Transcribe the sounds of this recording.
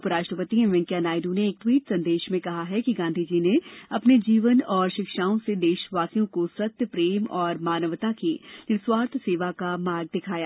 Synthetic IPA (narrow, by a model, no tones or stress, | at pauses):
pəɾaːʃʈɾəpət̪iẽʋɛ̃ŋkjanaːɪɖũneːk̚t̪wiːʈsɐ̃nd̪eːʃmẽkɐɦaɦɛkiɡãːnd̪ʱid͡ʒiːneɐpned͡ʒiːʋənɔːɾʃɪkʃaːõsed̪eːʃʋaːsijõkosɐt̪jəpɾeːmɔːɾmaːnəʋt̪akinɪswaːɾt̪ʰseːʋakamaːɾɡ̚d̪ɪkʰaːja